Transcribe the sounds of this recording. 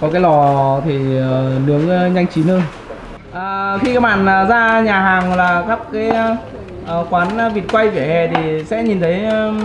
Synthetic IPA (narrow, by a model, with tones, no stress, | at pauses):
kɔ˨˦kaː˨˦jlɔ˨˩t̪ʰi˨˩ə˨˩nɨ˨˦əŋ˧ɲa˧jŋ̟t͡ɕi˨˦nəː˧j | ʔəː˨˩xi˧kaː˨˦ɓa̰ː˧˨nəː˨˩zaː˧ɲaː˨˩ɦaː˨˩ŋlaː˨˩xa˦˥p̚kaː˨˦j | ʔə˧˩kwaː˨˦n˧vi˨˩ət̚kwa˧jvi˧˩hɛ˨˩t̪ʰi˨˩sɛ̰˧˥ɲi˨˩nt̪ʰə˨˦j